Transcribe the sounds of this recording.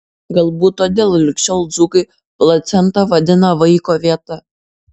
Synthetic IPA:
ɡɐlˠbuːt̪ːoːd̪ʲeːlˠlʲɪkʃʲɛʊlˠd̪zuːkɐɪ | plˠɐt̪sʲɛnt̪ɐʋɐd̪ʲɪnɐʋɐɪkoːʋʲiɛt̪ɐ

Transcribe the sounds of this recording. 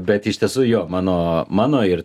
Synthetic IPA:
bʲɛt̪ɪʃt̪ʲiɛsʊːjoːmɑːnoːmɑːnoːɪɾ

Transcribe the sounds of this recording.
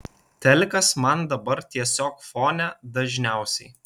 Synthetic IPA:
t̪ʲɛlʲkɐsmɐnd̪ɐbɐɾt̪ʲiɛsʲoːkfoːnʲɛd̪ɐʒʲnʲæˑʊsʲɛɪ

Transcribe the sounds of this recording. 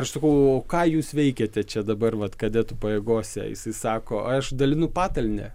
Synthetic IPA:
ɐʃsɐkɐʊoːkɑːjuːsʋʲɛɪkʲeːt̪ʲɛt͡ʃʲɛd̪ɐbɐrʋɐt̪kɐd̪ʲɛt̪ʊpɐjeːɡoːsʲɛ̰jɪ̰sɐɪsɑːkoːɐʃd̪ɐlʲɪnʊpɑːt̪ɐlʲnʲɛ̰

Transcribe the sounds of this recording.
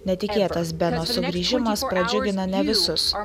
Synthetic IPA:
nʲɛt̪ʲɪkʲeːt̪ɐs̬bʲɛnoːsʊɡɾʲiːʒʲɪmɐspɾɐd͡ʒʲʊɡʲɪnɐnʲɛʋʲɪsʊs

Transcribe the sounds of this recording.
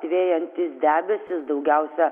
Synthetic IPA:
t̪ʲʋʲeːjɛnʲt̪ʲɪsd̪ʲæːbʲɛsʲɪsd̪ɒʊɡʲɛʊsʲɛ

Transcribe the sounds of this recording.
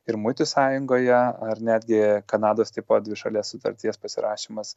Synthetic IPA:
ɪɾmʊɪt̪ʲʊsɑːjʊŋɡoːjɛɐɾnʲæːd̪ʲɡʲɪkɐnɑːd̪oːst̪ʲɪpoːd̪ʋʲɪʃɐlʲiɛssʊt̪ɐ̰ɾʲt̪ʲiɛspɐsʲɪɾɑ̰ːʃʲimɐs

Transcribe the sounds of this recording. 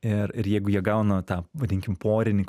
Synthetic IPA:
ɪɾɪɾjɛɪɡʊjiɛɡɐʊnɐt̪ɑːʋɐd̪ʲɪŋʲkʲɪmpoːɾʲɪnʲɪk

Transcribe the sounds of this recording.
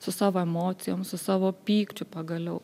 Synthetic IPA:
sʊsɑːʋoːɛmoːt̪sʲɪjoːmsʊsɑːʋoːpʲiːkt͡ʃʲʊpɐɡɐlʲɛʊ

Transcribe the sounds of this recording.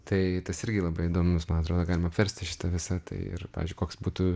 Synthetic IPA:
t̪ɐɪt̪ɐsɪɾʲɡʲɪlˠɐbɐɪɪd̪oːmʊsmɐnɐt̪ɾoːd̪oɡɑːlʲɪmɐpʲʋʲɛɾʲsʲt̪ʲɪʃʲɪ̥t̪ɐʋʲɪsɐt̪ɐ̰ɪɪ̰rpɑ̰ːʋʲɪzd͡ʒʲʊɪkoːksbuːt̪u

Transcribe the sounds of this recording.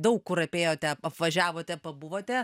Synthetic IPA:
d̪ɐʊkkʊrɾɐpʲeːjoːt̪ʲɛpɐpʋɐʒʲæːʋoːt̪ʲɛpɐbʊʋoːt̪ʲɛ

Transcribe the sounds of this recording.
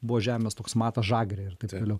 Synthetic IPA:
bʊʋoːʒʲæːmʲeːst̪oːksmɑːt̪ɐsʒɑːɡɾʲeːɪɾt̪ɐɪpt̪oːlʲɛʊ

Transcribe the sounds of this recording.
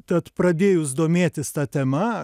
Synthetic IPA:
t̪ɐt̪pɾɐd̪ʲeːjʊsd̪oːmʲeːt̪ʲɪst̪ɑːt̪ʲɛmɐ

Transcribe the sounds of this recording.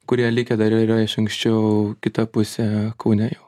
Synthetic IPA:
kʊɾʲiɛlʲɪkʲɛd̪ɐɾiɾɐɪʃɐŋksʲt͡ʃʲɛʊkʲɪt̪ɐpʊsʲɛkɐʊnʲɛjɛʊ

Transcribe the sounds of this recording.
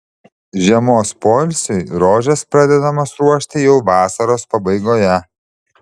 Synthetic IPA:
ʒʲiɛmoːspoːlʲsʲʊɪɾoːʒʲɛspɾɑd̪ʲɛd̪ɐmɐsɾuɔʃʲt̪ʲɪjɛʊʋɑːsɐɾoːspɐbɐɪɡoːjɛ

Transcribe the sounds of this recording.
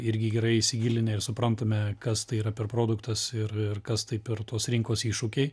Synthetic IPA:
ɪɾʲɡʲɪɡʲɛɾɐɪɪsʲɪɡʲiːlʲɪnʲɛɪrsʊpɾɐnt̪ɐmʲɛkɐst̪ɐɪiːɾɐpʲɛrpɾoːd̪ʊkt̪ɐsɪrɪrkɐst̪ɐɪpʲɛrt̪oːsɾʲɪŋkoːsiːʃʊkʲɛɪ

